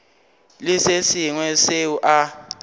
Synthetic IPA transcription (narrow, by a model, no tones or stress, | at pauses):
lisesiŋwɛseuʔa